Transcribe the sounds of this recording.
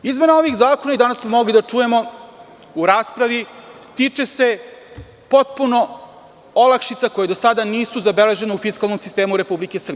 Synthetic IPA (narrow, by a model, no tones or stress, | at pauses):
izme̞nao̞ʋixzaːko̞naid̪anasmomo̞ɡlid̪at͡ʂuje̞mo̞ | uɾaːspɾaʋit̪iːt͡ʃese̞ | po̞t̪̚puno̞ | olakʃit̪sako̞jed̪o̞sad̪aniːsuzabele̞ʒe̞neufiskalno̞msist̪e̞ːmuɾe̞publikesr̩b